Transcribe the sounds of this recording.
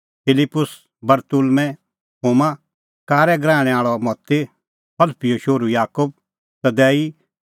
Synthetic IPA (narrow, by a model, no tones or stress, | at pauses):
pʰɪlɪpːʊs | bɐɾt̪ʊlmɛ̃ | ɦoːma | kaːɾɛɡɾãːɛ̃aːɭɔmɔt̪ːe | pɐlpijoʃoːɾujaːkʊb̚ | sɐd̪ɛːi